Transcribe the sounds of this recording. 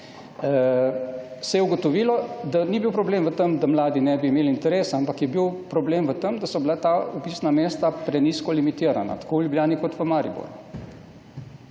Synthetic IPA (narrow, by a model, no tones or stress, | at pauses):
sɛjɛuɡɔt̪ɔʋiːlɔd̪anibiwpɾɔbleːmʋət̪əmd̪amlaːd̪inɛbiːmeːlint̪ɛɾeːsaampakjɛbiwpɾɔbleːmʋət̪əmd̪asɔbilat̪aupisnameːst̪apɾɛniskɔlimit̪iːɾa̰na̰t̪ḁkowljubljaːnikɔt̪ʋəmaːɾḭbo̰ɾu